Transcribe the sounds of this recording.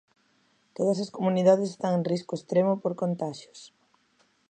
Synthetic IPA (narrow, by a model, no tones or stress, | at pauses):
t̪oðɐsɐskomuniðað̞esst̪aŋeŋriskʊest̪ɾemʊpoɾkont̪aʃjo̥s